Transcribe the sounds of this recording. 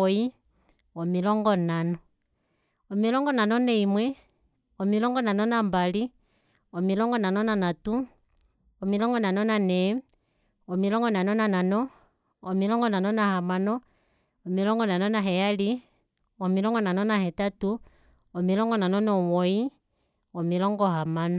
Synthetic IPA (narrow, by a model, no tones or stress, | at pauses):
i | ɔmilɔŋɡɔnanɔ | ɔmilɔŋɡɔnanɔneimwɛ | ɔmilɔŋɡɔnanɔnambali | ɔmilɔŋɡɔnanɔnanatu | ɔmilɔŋɡɔnanɔnanɛ | ɔmilɔŋɡɔnanɔnananɔː | milɔŋɡɔnanɔnahamanɔ | ɔmilɔŋɡɔnanɔnaɦɛali | ɔmilɔŋɡɔnanɔnahɛtatu | ɔmilɔŋɡɔnanɔnɔwɔi | ɔmilɔŋɡɔhamanɔ